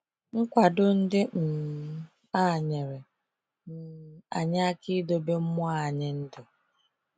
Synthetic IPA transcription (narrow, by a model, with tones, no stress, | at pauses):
ŋ̩˦kʷa˨dʊ˦n̩˦dɪ˦m̩˨ | a˦˨ɲe˨ɾe˨ | n̩˨a̰˨ɲa˦a˦ki˦do˨be˦m̩˦mʊ˦a˦˨ɲɪ˨n̩˦dɪ˨